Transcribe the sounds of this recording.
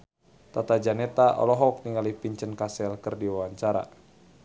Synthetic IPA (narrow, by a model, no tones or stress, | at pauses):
t̪at̪ad͡ʒanɛt̪aʔɔ̰lɔɦɔk̚niŋalipiɲt͡ʃənkasɛlkərdiwawaɲt͡ʃaɾa̰